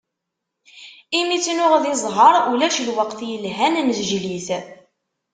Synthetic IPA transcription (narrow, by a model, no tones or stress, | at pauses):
imit͡sːnʊʁðizˤɦəɾˤulæʃlwəqθjəlɦænnəzəʒliθ